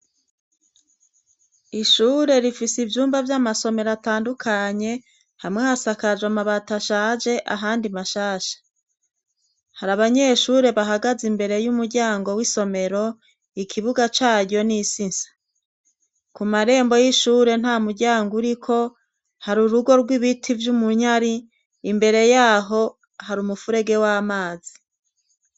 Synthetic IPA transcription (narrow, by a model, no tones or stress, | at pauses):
iʃuːɾe̞ɾifisivjuːmbavjamaso̞me̞ɾataːndukʰaɲe̞ | hamŋeasakad͡ʒwamaβataʃaːd͡ʒe̞ʔa̰ɦaːndimaʃaːʃḁ | haɾaβaɲe̞ʃuːɾe̞βaɦaɡazimbe̞ɾe̞jumuɾɟaːŋɡo̞wiso̞me̞ɾo̞ | ikʰiβuɡat͡ʃaːɾo̞nisinsḁ | kumaɾe̞ːmbo̞jiʃuːɾe̞n̥haːmuɾɟaːŋɡuɾikʰo̞ | haɾuɾuɡo̞ɾɡwiβitʰivjumuɲaɾiː | mbe̞ɾe̞jaːɦo̞ | haɾumufuɾe̞ɡe̞waːmaːz̥i